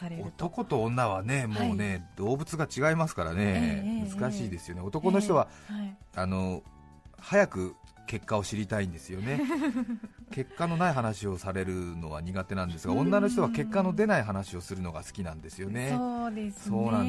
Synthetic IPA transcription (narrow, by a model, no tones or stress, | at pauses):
ot̪o̞ko̞t̪õ̞ːnːaβ̞ane̞moːne̞d̪o̞ːbɯ̟t͡sɨɡat͡ɕiɡaimasɨ̥kaɾa̰ne̞mɯ̟zɨkaɕiːd̪e̞sɨjo̞neot̪o̞ko̞no̞ç̬it̪o̞β̞a | ano̞ | hajakɯ̟ | ke̞kːao̞ɕiɾʲit̪aĩnd̪e̞sɨjo̞ne̞ | ke̞kːano̞naiɦanaɕio̞saɾe̞ɾɯ̟no̞βa̰ɲ̟iɡat̪e̞nãnd̪e̞sɨɡaõ̞nːano̞ç̬it̪o̞βake̞kːano̞d̪e̞naiɦanaɕio̞sɨɾɯ̟no̞ɡasɨ̥kʲinãnd̪e̞sɨjo̞ned̪eso̞ːnãn